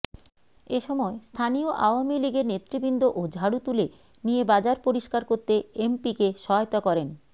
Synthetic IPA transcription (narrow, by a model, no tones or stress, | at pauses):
eʃɔmɔest̪ʰanijoʔa̰oamiliɡeɾnet̪ːɾibind̪oʔod͡ʑʱaɽut̪ule | niebad͡ʑaɾpoɾiʃkaɾkoɾt̪eempikeʃɔɦɔjt̪akɔɾen